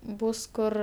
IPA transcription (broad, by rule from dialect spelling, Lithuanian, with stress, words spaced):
ˈbuːs ˈkʊr